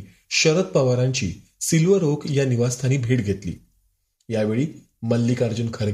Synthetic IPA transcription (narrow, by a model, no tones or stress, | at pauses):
ɕəɾət̪̚pəʋaɾaɲt͡ɕḭː | silʋəɾokjaniʋast̪ʰaniːbʱeʈɡʱet̪lḭː | jaʋeɭiː | məlːiːkaɾd͡ʑuːnkʰəɾ